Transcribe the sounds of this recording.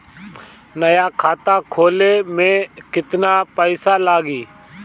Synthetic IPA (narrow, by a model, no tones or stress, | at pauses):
nəjaːkʰaːt̪aːkʰoːleːmẽːkɪt̪naːpəɪsaːlaːɡiː